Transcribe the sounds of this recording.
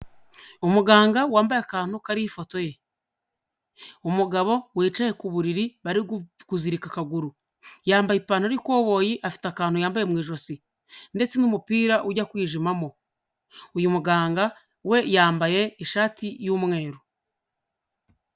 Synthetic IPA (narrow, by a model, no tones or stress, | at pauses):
umuɡaːŋɡawaːmbajakaːn̥hukaɾiifo̞to̞je̞ | umuɡaβo̞wiːt͡ʃaje̞kuβuɾiɾiβaɾiɡkuziɾikakaɡuɾu | jaːmbajipaːnhoaɾikwo̞ːβo̞ːjiʔafi̥takaːn̥ujaːmbaje̞mŋiːʒo̞si | nde̞t͡senumupiːɾaʔuɟakwiːʒimamo̞ | ujumuɡaːŋɡa | we̞jaːmbaje̞iʃaːtijumŋe̞ːɾo